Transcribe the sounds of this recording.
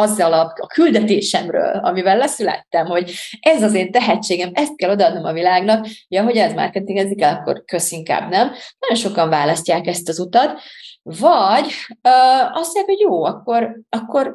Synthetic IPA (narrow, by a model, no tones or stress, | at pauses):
ɒzːɒlɒbɒkyld̪ɛt̪eːʃɛmrø̰ːlɒ̰mivɛlːɛsylɛ̰t̪ːɛmho̞ɟɛzɒzeːnt̪ɛɦɛt͡ʃːeːɡɛmɛst̪̚kɛlo̞d̪ɒːd̪nomɒvilaːɡnɒkjɒɦo̞ɟɛɛzmɒ̰rkɛt̪iŋɡɛzikɛlɒkːo̞̰rkø̞siŋka̰ːbnɛmnɒɟo̞nʃo̞kɒɱvaːlɒscaːkɛst̪ɒzut̪ɒt̪vɒɟøɒsojakho̞ɟjoːɒkːo̞rɒkːo̞r